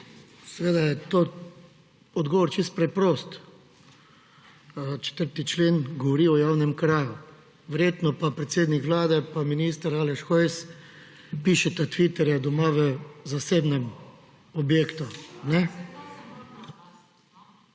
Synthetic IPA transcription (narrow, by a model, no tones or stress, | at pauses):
sɛʋeːd̪ajɛt̪oː | ɔd̪ɡɔʋɔɾt͡ʃist̪̚pɾɛpɾoːst̪ | t͡ʃɛ̥t̪əɾt̪it͡ʃleːnɡɔʋɔɾiɔjaːwnɛmkɾaːju | ʋɛɾjet̪nɔpapɾɛt̪seːd̪nikʋlaːd̪ɛpaminiːst̪əɾaːlɛʃxɔjs | piʃɛt̪at̪ʋit̪ɛɾjɛd̪ɔmaʋɛzaseːbnɛm | ɔbjeːkt̪unɛ